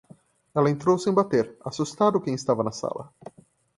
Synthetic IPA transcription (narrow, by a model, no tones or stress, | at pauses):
ɛlɐẽnt̪ɾowsẽj̃bat̪eɾasust̪ad̪ʊkẽj̃ɪst̪avɐnɐsa̰lɐ̰